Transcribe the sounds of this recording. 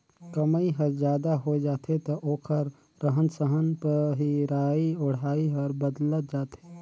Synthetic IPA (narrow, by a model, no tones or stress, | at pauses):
kəməiɦəɾzjaːd̪aɦod͡ʒaːt̪ɦet̪oʔoːkʰəɾ | ɾəɦənsəɦənpəɦiɾaːiʊɽ̤aːiɦəɾbəd̪lət̪̚d͡ʒaːt̪ɦeː